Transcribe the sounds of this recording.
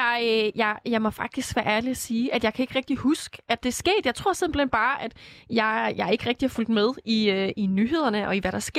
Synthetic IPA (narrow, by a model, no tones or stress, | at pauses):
ɑjɑ̈ɪjɑ̈ɪmɒfɑ̈ɡ̥̚d̥isɡ̥ʋæɐʔæɐliæsiːʔæd̥jɑ̈ɪkʰæe̝ɡ̥ʁɛɡ̥̚d̥ihusɡ̥əʔæd̥e̝sɡ̥e̝̰ːd̥jɑ̈ɪt͡sʰʁo̝ɐ̰senmb̥l̩end̥̚b̥ɑ̈ːʔæd̥jɑ̈ɪjɑ̈ɪɐe̝ɡ̥əʁɛɡ̥̚d̥ihɑ̈ful̰d̥með̞ˠiøinyɦe̝ð̞̰ˠɐnəʔɒ̽iʋæɾ̥ɑ̈sɡ̥e̝